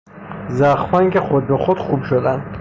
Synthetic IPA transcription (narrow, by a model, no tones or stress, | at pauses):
zæχfæŋkʲʰexod̪̚bexod̪̥χubʃod̪ænd̪̥